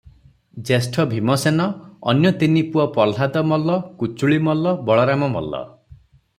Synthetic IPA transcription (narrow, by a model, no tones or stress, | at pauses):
d͡ʒesʈʰɔbʱimɔsenɔɔ̰njɔt̪inipuɔpɔlɦad̪ɔmɔlɔkut͡ʃuɭimɔlɔbɔɭɔɾamɔmɔ̰lːɔ̰